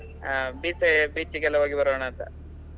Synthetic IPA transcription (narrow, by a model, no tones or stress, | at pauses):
abiːsebiːt͡ʃːikɛlːɐʋaːɡibɐɾɐʋːɳaːnt̪ɐ̰